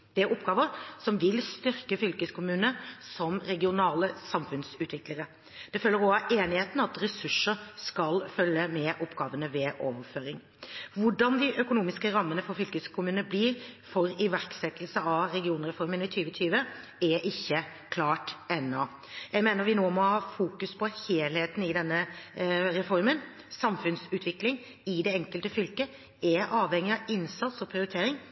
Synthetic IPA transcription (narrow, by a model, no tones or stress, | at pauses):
d̪̥ɛæɾʊpːɡɑːʋəɾsɔmʋɪlst̪ʏɾkəfʏlkəskʰʊmʉːnəsɔmɾɛɡɪʊnɑːləsɑmfʉnsʉːt̪ʰʋɪkləɾə | d̪̥ɛfølːəɾɔɑʔeːnɪheːt̪nɑt̪ɾɛsʉʂːəɾskɑlfœlːəmɛʔɔpːɡ̥ɑːʋənəʋɛʔo̰ːʋəføːɾɪŋ | ʋʊɖɑnd̪ɪʔœkʊnuːmɪskəɾɑmːənəfɔɾfʏlkəskʰʊmʉːnəbliɾfɔɾɪʋæɾksɛt̪lsəɑʋɾɛɡɪuːnɾɛfɔɾmənɪt̪ʰyːʋət̪ʰyːʋə | ɛʔɪçːəkʰlɑːʈɛnːɔ | jæɪmeːnəɾʋɪnoːmɔhɑːfuːkʉspʰɔheːlheːt̪n̩ɪd̪ɛnːə | ɾɛfɔɾmən | sɑmfʉnsʉːt̪ʰʋɪklɪŋ | ɪd̪ɛɛŋkəlt̪əfʏlkə | ɛʔɑːʋhɛŋːɪɑɪnsɑt̪sɔpʰɾɪʊɾɪt̪ʰeːɾɪŋ